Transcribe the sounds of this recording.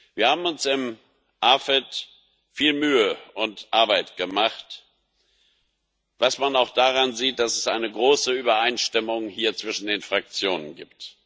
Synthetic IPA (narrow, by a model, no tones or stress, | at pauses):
viːɐhaːbm̩ʊnsɪm | ʔafɛt | fiːlmyːəʔʊntʔaɐbaɪtɡ̥əmaχt | v̥asmanaʊxd̥aʁanziːt̚d̥asɛsʔa̰ɪnəɡʁoːsəyːbɐaɪnʃtɪmʊŋhiːɐt͡sv̥ɪʃn̩deːnfʁ̥ak̚t͡sjoːnənɡḭːpt